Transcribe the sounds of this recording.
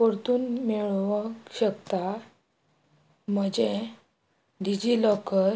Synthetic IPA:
koɾt̪uːnmeɭʋəkɕəkt̪a | m̤əd͡ʑe | ɖid͡ʑiːlɔkə

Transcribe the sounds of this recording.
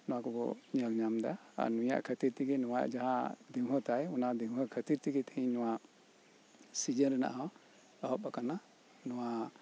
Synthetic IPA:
nɔwakɔbɔ̰ɲəlɲamd̪a̰a̰nuja̰ʔkʰət̪iɾt̪iɡɛnɔwaʔd͡ʒaɦãd̪iŋɦɔt̪ajɔnad̪iŋɦɔkʰət̪iɾt̪iɡɛt̪ɛhiɲnɔwa | sid͡ʒənɾɛna̰ʔa | ɔɦɔpakana | nɔwa

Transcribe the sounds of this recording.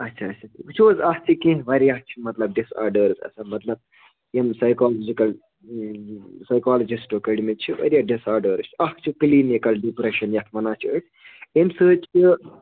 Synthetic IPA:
ɐtːt͡ʃʰɐːt͡ʃʰɐt̪it͡ʃʰoːzɐht͡ʃʰɨkĩʋɐɾijaht͡ʃʰumɐt̪lɐb̚ɖisa̰ːɾɖəːɾzɐ̰sɐmɐt̪lɐb̚ | emsɐjkaːlod͡ʒikɐl | sɐjkaːlɐd͡ʒisʈokɐɽimit͡ʃʰuʋɐ̰ɾijaɖisaːɾɖəːɾt͡ʃɐht͡ʃʰukliːnekɐlɖipɾeʃɐnjɐt̪ʰmɐnaːt͡ʃʰɨʈ | emsɨːt͡ʃɨ

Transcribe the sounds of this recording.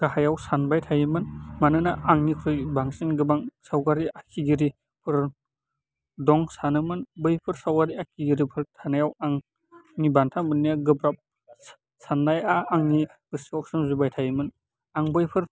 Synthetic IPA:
ɡ̥aɦajawsanbajtʰajimɯnmanɯnaʔaŋnikʰɾɯjbaŋsinɡɯbaŋsawɡaɾiʔakʰiɡiɾi | pʰɯɾ | dɔŋsanɯmɯnbɯjpʰɯɾsawɡaɾiakʰiɡiɾipʰɯɾtʰanajawaŋ | nibantʰamɯnːijaɡɯbɾap̚ | sandajaːŋni | ɡ̥ɯsiɔk̚sɯmzubajtʰajimɯn | aŋbɯjpʰɯɾ

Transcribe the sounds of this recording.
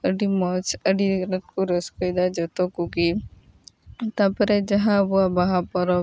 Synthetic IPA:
əɖimɔt͡ʃʰəɖiɾɔt̪̚kuɾɔskɔjd̪ad͡ʒɔt̪ɔkuɡi | t̪apɔɾɛd͡ʒaɦãəbuabaɦapɔɾɔ

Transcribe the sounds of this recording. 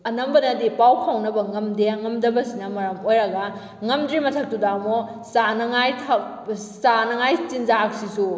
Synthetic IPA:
ɐnɐmbɐnɐdipawpʰawnɐbɐŋɐmdeɐŋɐmdɐbɐsinɐmɐɾɐmojɾɐɡɐ | ŋɐmdɾimɐtʰɐk̚tudamosanɐŋajtʰasanɐŋajt͡ʃinzaak̚sisu

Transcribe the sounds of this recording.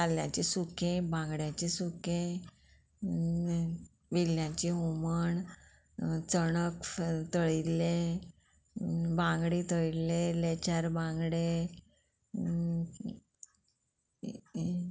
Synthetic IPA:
aljãt͡ɕisukẽbãŋɡɽjãt͡ɕisukẽ | ʋiljãt͡ɕiɦoməɳ | t͡səɳəkt̪əɭilːe | bãŋɡɽit̪əɭilːẽlet͡ɕaɾbãŋɡɽe

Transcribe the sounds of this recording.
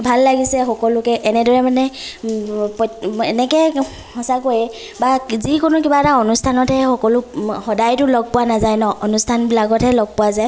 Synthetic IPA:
bʱalːaɡisɛxɔkɔlʊkɛʔɛnɛdɔɹɛmanɛ | pɔtɛnɛkɛ | hɔsakojɛ | bazikʊnʊkibataɔnustʰanɔtʰɛxɔkɔlʊxɔdajtʊlɔɡ̚pʊwanazajnɔʔɔnustʰanbilaɡɔtʰɛlɔɡ̚pʊwazaj

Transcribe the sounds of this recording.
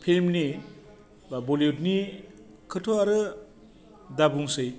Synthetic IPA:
pʰilmni | baboljutni | kʰɯtʰoaɾɯ | dabuŋsɯj

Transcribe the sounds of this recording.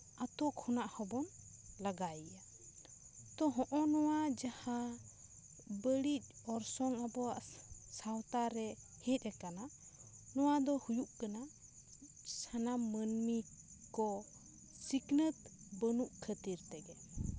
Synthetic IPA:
at̪ɔkʰɔnaʔhɔbɔnlaɡaija | t̪ɔɦɔ̃ʔɔnɔwad͡ʒaha | bəɽit̪̚ˀɔɾsɔŋabɔwaʔsawt̪aɾɛ | hɛt̪̚ˀɛkana | nɔwad̪ɔhujuʔkana | sanamːənmi | kɔ | siknət̪̚ | bənuʔkʰət̪iɾt̪ɛɡɛ

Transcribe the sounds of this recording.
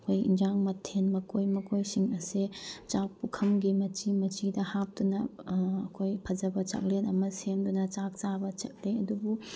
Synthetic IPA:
ɐkʰojḭnd͡ʒaŋmɐtʰenmɐkojmɐkʰojsiŋɐset͡ʃak̚pukʰɐmɡimɐt͡ʃimɐt͡ʃidɐhap̚tunɐːkʰojpʰɐd͡ʒɐbɐt͡ʃɐ̰k̚lenɐmɐsemdunɐt͡ʃak̚t͡ʃabɐt͡ʃɐ̰k̚leɐdubu

